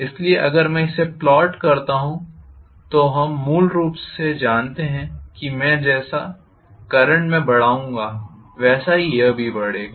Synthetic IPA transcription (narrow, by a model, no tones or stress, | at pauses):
ɪslieʔɐɡəɾmɛ̃ɪseplɔːʈkɐɾt̪aɦũ | t̪oɦɐmːuːlɾuːpsːed͡ʒaːnt̪eɦɛ̃kimɛ̃ːd͡ʒɛːsa | kɐɾə̃ɳʈmẽbɐɽ̤aːũːŋɡaː | ʋɛːsaɦijɐbʱibɐɽeːɡaː